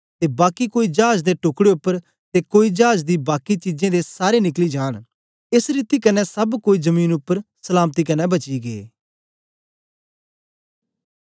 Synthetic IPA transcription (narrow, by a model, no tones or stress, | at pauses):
t̪eːbaːkikoːiːd͡ʒaːd͡ʒd̪eːʈʊkɽeʊpːəɾ | t̪eːkoːiːd͡ʒaːd͡ʒd̪iːbaːkiːt͡ʃid͡ʒẽd̪eːsaːɾeːnɪkliːd͡ʒaːɽ̃ | ɪsɾiːt̪iːkənɛːsəbkoːiːzəmiːnʊpːəɾsəlaːmt̪iːkənɛ̃bət͡ʃiːɡeː